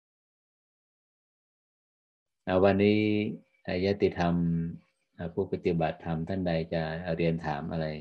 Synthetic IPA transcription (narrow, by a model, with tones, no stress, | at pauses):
ʔa˧˩wa˧nːiː˦˥ | ʔa˧˩jaː˦˥t̪iː˧˩t̪ʰa˧m | ʔa˨˧˩pʰuː˥˩pa˧t̪i˨˧˩ba˨˩t̪ʰːa˧mt̪ʰa˥˩nda˧jt͡ɕa˨˩˨ɾi˧ənt̪ʰaː˩˦mʔa̰˧ɾa˧j